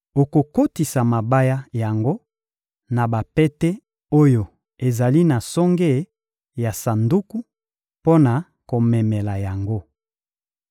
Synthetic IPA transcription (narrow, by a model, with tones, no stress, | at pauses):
o˨ko˨ko˦ti˨sa˨ma˨ba˦ja˦ja˨ŋɡo˦ | na˨ba˨pɛ˦tɛ˦ | o˦jo˨ | e˨za˨li˦na˨sɔ˦ŋɡe˦˨˦ | ja˨sa˨ndu˦ku˦ | po˦na˨ | ko˨mɛ˨mɛ˨la˨ja˨ŋɡo˦